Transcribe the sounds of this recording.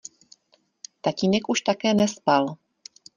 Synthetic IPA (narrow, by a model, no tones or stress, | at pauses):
t̪aciːnɛkʔuʃt̪akɛːnɛspal